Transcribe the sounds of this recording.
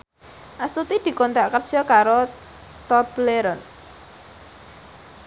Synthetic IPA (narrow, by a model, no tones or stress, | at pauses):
ʔast̪ut̪id̪̥i̤kont̪aʔkərsɔkaɾo | t̪ɔbleɾɔn